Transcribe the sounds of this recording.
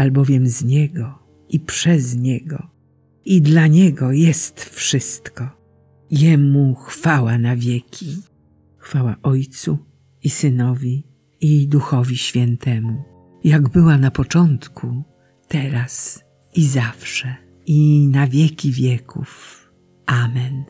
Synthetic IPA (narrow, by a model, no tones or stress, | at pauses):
albɔvʲjɛmzɲɛɡɔ | ipʂɛzɲɛɡɔ | id̪laɲɛɡɔjɛst̪fʂɘst̪kɔ | jɛmuxfawanavʲjɛkʲʰi | xfawaʔɔjt̪su | isɘnɔvʲi | id̪uxɔvʲiɕfʲjɛnt̪ɛmu | jaɡbɘwanapɔt͡ʂɔnt̪kʰu | t̪ɛɾas | izafʂɛ | inavʲjɛkʲivʲjɛkuf | ʔamɛn